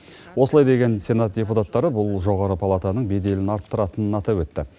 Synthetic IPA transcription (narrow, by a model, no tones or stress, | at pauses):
wosəlˠɑjd̪e̞ɡʲe̞nsʲe̞nat̪̚dʲe̞put̪at̪ːɑɾəbʊlˠʒo̞ʁɑɾəpʰalˠat̪anəɴbe̞d̪e̞lɪnɑɾt̪ːəɾɑt̪ənənɑt̪ɑpwɵt̪ːɪ